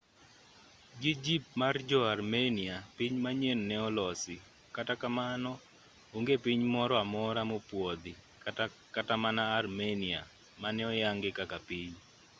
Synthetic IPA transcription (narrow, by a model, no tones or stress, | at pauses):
ɡɪd͡ʒip̚mard͡ʒɔarmeniapiɲmaɲennɛɔlɔsɪ | katakamanɔ | oŋɡepiɲmɔɾɔamɔɾamopwod̪ɪ | ka | katamanaːrmenia̰ | manɛɔjaŋɡɪkakapiɲ